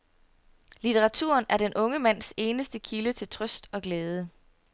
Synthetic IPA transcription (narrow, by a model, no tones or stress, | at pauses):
lit͡sʰeʁɑ̈t͡sʰṵɐ̰næɐɾ̥enʔɔ̽ŋəmæn̰se̝ːnəsd̥əkʰilət͡sʰe̝lt͡sʰʁœsd̥ɒ̽ɡ̥leːð̞ˠə